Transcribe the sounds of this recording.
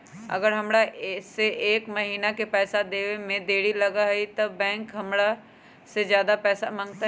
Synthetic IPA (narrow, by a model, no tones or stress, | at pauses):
ɐ̰ɡəɾɦɐmɽaseʔeːkmɐɦiːnakepɛːsad̪eːwemẽd̪eːɽilɐɡaɦit̪ɐbɛ̃ːŋkɦɐmɽa | sezjaːd̪apɛːsamãːŋɡt̪a